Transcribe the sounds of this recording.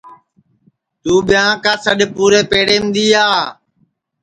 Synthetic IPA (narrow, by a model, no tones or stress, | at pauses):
t̪uːɓɪjãːkaːsəɗpuːɾeːpeːɽeːmd̪iːaː